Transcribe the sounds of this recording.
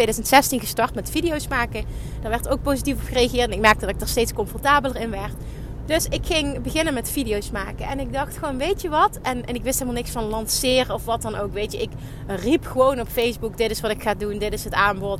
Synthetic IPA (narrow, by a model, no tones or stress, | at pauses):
ejdœzəntsɛstinɣəstɑɹtmɛtfidijowsmaːkə | d̥aːɹʋɛɹtowk̚powzitifɔpxəreaɣɪːɹtɛnɪk̚mɛɹk̚tədɑtɪɡdaːɹstejtskɔmfɔɹtaːbələɹɪnʋɛɹt | d̥ɵsɪkxɪŋbəɣɪnənmɛtfidijowsma̰ːkəɛnɪɡ̚dɑxtxəʋownʋejtəʋɑtɛnɛnɪkʋɪstɦelmalˠnɪksfɑnlɑnsɪːrəɔfʋɑtɑnowkʋejtjəʔɪk | ripxəʋownɔpfejzbukdɪtɪsʋɑtɪkxaːdundɪtɪsɦətaːmbɔt